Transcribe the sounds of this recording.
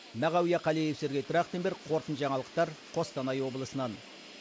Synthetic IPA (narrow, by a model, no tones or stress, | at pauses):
mæʁɑwijɑqʰɑlejefse̞ɾɡʲet̪ʰʊɾɑq̚t̪enbeɾqʰo̞ɾt̪ənʒɑɴɑlˠəq̚t̪ɑɾqʰo̞st̪ɑnɑjwo̞bəlˠəsənɑn